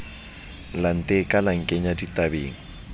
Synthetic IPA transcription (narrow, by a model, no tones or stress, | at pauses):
lan̩tʼekʼalaŋ̩kʼeɲaditʼabeːŋ̩